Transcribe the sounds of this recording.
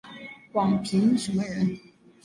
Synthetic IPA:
wɑ˨˩ŋpʰi˧˥ŋʂə˧˥mə˧ɻə˧˥n

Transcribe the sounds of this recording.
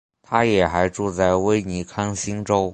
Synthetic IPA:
t̪ʰa˥jɛ˨˩xa˧˥ɪʈ͡ʂu˥˧t͡sa˥˩ɪwe˥ɪni˧˥kʰɑ˥ŋɕi˥ŋʈ͡ʂo˥ʊ

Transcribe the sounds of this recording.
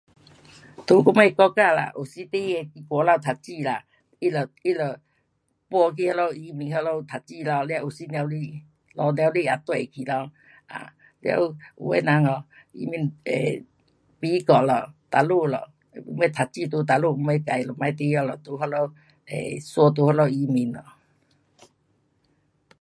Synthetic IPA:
t̪u˧˦ku˧˦me˧kɔ˧˦ka˥˧˨la̰˨ʔu˨si˧˦t̪e˦˧e˧ki˧kɔ˧˦la˧wt̪ʰa˨˩t͡ɕi˧la̰˨ | i˦lə˨i˦lɔ˨ | pwɔ˧kʰi˧hɔ˧lɔ˧i˧mĩ˨˧ŋɦɔ˧lɔ˧t̪ʰa˨˩t͡ɕi˧˨lɔ˧lja˧˨u˨˩si˦nja˧wli˧˨ | lɔ˧˦nja˧wli˦˧a˨t̪we˨kʰi˨lɔ˧w | a̰˨ | lja̰˧u˧ṵ˨we˦˧˦na˨˧˦ŋɔ˨ḭ˧mi˧˦nḛ˨ | pi˧˦kɔ˨lɔ˨t̪a˨˩lu˥˧˨lɔ̰˨ | u˨˧˦we˧˦t̪ʰa˨t̚t͡ɕi˧t̪u˧t̪̬a˨lu˥˧m̩˧˦e˧ka˨jlɔ˨˩mã˧˦jt̪i˧˦jɔ˧lɔ˨t̪u˧ɦɔ˧lɔ˧w | ḛ˨swɔ˧t̪̬u˧hɔ˧lɔ˧˨˧i˧˦mi˧˦nlɔ˨

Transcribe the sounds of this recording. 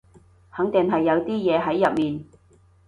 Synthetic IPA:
hɐ˨˥ŋt̪ɪ˨˩ŋɦɐ˨jːɐ˨˧wt̪iː˥jɛː˨˧ɦɐ˨˥jːɐ˨p̚miː˨n

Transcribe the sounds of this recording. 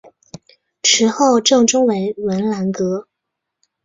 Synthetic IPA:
ʈ͡ʂʰɻ̩˧˥xo˥˧ʊʈ͡ʂɤ˥˩ŋʈ͡ʂʊ˥ŋwe˧˥ɪwə˧˥nla˧˥nkɤ˧˥

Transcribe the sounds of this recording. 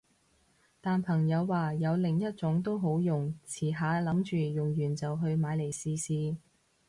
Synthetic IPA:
t̪aː˨npʰɐ˨˩ŋjɐ˨˧wːaː˨˧jɐ˨˧wlɪ˨˩ŋjɐ˥t̚t͡sʊ˨˥ŋt̪o˥wɦo˨˥wjʊ˨ŋt͡sʰiː˨˩ɦaː˨˧lɐ˨˥mt͡ʃyː˨jʊ˨ŋjyː˨˩nt͡sɐ˨wɦɵ˧ɥmaː˨˧jle˨˩jsiː˧siː˧

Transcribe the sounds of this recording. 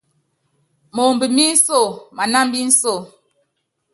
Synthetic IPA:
mo˨mbi˨mi˦n̩˦so˦˨ma˨na˦m˦bi˦n̩˦so˦˨

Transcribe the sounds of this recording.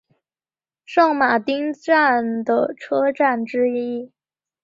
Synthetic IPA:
ʂɑ˥˩ŋma˨˩t̪i˥ŋʈ͡ʂa˥˩nd̪ə˩ʈ͡ʂʰɤ˥ʈ͡ʂa˥˩nʈ͡ʂɻ̩˥ii˥

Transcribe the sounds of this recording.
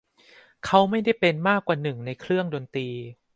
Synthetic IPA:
kʰa˦˥wma˥˩jda˥˩jpe˧nmaː˥˩kːwaː˨˩nɯ˨˩ŋna˧jkʰɾɯ˥˩əŋdoː˧nt̪iː˧

